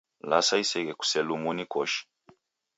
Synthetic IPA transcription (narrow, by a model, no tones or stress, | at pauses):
lasaisɛɣɛku̥sɛlumunikɔʃi̥